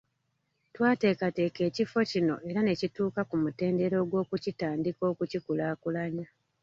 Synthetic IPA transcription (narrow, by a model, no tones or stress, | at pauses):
twaːte̞ːkate̞ːke̞ːcifo̞cino̞̰ʔe̞ɾane̞cituːkakumute̞ːnde̞ɾo̞ːɡwo̞ːkucitaːndiko̞ːkucikulaːkulaɲa